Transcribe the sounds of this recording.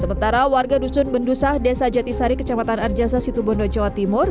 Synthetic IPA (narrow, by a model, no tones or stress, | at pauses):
səmənt̪aɾawarɡadusʊnbəndusahdesad͡ʒat̪isaɾikə̥t͡ʃamat̪anard͡ʒasasit̪ubɔndɔd͡ʒawat̪imʊr